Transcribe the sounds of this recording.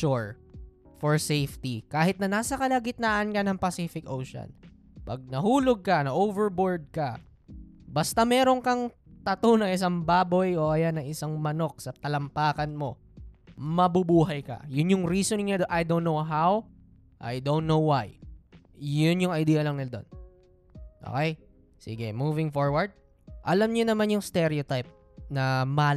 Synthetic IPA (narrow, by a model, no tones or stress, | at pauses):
uɹ | fɔɹsejft̪ikaːhɪt̪̚nɐnaːsɐkɐlɐɡɪt̪̚naːʔɐnkɐnɐŋpɐsiːfɪkʔo̰wʃo̰n | pɐɡ̚nɐhuːloɡ̚kɐnɐʔoːvɛɹboɹd̪̚kɐ | bɐst̪ɐmɛːɾo̞ŋkɐŋ | t̪ɐt̪onɐŋɪs̬aŋbaːbo̞joʔɐjanːɐŋɪsaŋmɐno̞k̚sɐt̪ɐlɐmpaːkɐnmo̞ | mɐbubuːɦɐjkɐ̰jʊnjʊŋɾiːsonɪŋɲad̪ʔajd̪onːowɦaw | ʔɐ̰jd̪onnowwaj | jʊnjʊŋɐjd̪iːjɐlɐŋnɪd̪o̞̰n | ʔo̰ːkɛj | sḭːɡɛmuːvɪŋfoɹwɐɹd̪̚ | ʔɐlamɲonɐmanjʊŋst̪ɛɾɛot̪ajp̚ | nɐma